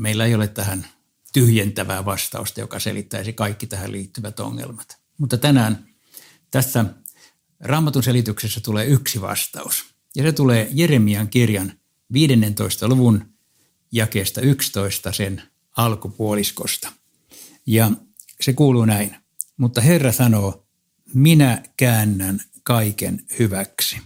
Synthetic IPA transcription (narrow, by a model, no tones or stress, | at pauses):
meilːæeijolet̪t̪æhæn | t̪yhjent̪æʋæ̰ːʋɑst̪ɑ̰ust̪ɑjo̰kɑsḛlit̪ːæisikɑikːit̪æhæliːt̪ːyʋæt̪o̰ŋːḛlmɑt̪ | mut̪ːɑt̪ænæːn | t̪æsːæ | rɑːmːɑt̪unselit̪yksesːæt̪uleːyksiʋɑ̰st̪ɑ̰us | jɑset̪uleːjeremiɑŋkirjɑn | ʋiːdenːent̪oist̪ɑluʋun | jɑkeːst̪ɑykst̪oist̪ɑsen | ɑlkupuolisko̰st̪ɑ̥ | jɑ | sekuːluːnæin | mut̪ːɑherːɑsɑnoː | minækæːnːæn | kɑikḛnhyʋæksi̥